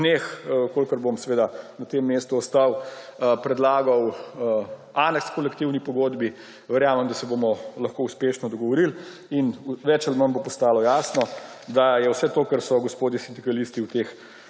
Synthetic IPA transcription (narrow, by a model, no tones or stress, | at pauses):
nexkolkəɾbomsɛʋeːd̪anɐt̪emːeːst̪uɔst̪awpɾɛd̪laːɡɐw | anɛkskɔlɛkt̪iwnipɔɡoːd̪bi | ʋɛɾjaːmɛmd̪asɛbomɔlɐxkoːuspeːʃnɔd̪ɔɡɔʋɔɾil | inʋɛt͡ʃalmənbopɔst̪aːlɔjaːsnɔ | d̪ajɛwsɛt̪oːkəɾsɔɡɔspoːd̪jisind̪ikɐlist̪iuwt̪ex